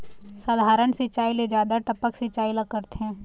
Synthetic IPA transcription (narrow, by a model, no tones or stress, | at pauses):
səd̪ʱaːɾənsɪt͡ʃaːiled͡ʒjaːd̪aʈəpəksit͡ʃaːiləkːəɾt̪eɦɛ̃ː